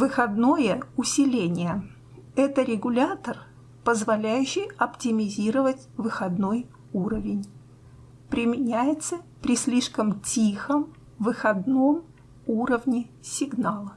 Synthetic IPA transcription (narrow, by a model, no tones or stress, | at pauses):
vɨxɐd̪nojəʊsʲɪlʲenʲɪjə | ɛt̪əɾʲɪɡʊlʲat̪ər | pəzvɐlʲæjʉɕːɪjɐptʲɪmʲɪzʲiɾəvətʲvɨxɐd̪noj | uɾəvʲɪnʲ | pɾʲɪmʲɪnʲæjɪt̪səpɾʲɪsʲlʲiʂkəmtʲixəm | vɨxɐd̪no̞m | uɾəvnʲɪsʲɪɡnalˠə